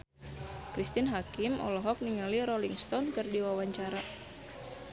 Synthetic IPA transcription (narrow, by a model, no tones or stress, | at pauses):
kɾist̪ɪnɦakimʔɔ̰lɔɦɔk̚niŋaliɾɔliŋst̪ɔnkɨrdiwawaɲt͡ʃaɾa